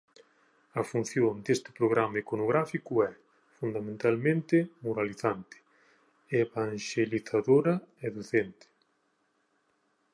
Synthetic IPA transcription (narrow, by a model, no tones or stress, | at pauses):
ɐfun̟θjond̪est̪ɪ̥pɾoɣɾamaekonoɣɾafikʊɛ | fund̪amẽnt̪almẽnt̪ɪmoɾaliθant̪ɪ̥ | eβaŋʃeliθaðoɾɐeðoθent̪ɪ̥